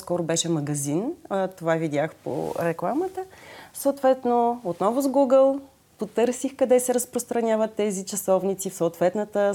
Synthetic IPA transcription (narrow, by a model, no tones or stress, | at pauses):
skɔɾʊbɛʃɛmɐɡɐzint̪ovavid̪ʲjaxpo̰ɾɛklˠamət̪əsoːt̪vɛt̪noot̪nɔvʊzɡuɡəlˠ | pot̪ɤɾsixkɐd̪ɛsɛɾəspɾost̪ɾɐnʲavət̪ːɛzit͡ʃɐsɔvnit̪sifsoːt̪vɛt̪nət̪ə